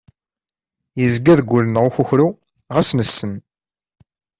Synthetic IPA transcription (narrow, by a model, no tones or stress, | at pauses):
jəzɡæðɡʷːulənʁʊçuçɾu | ʁæsnəsːən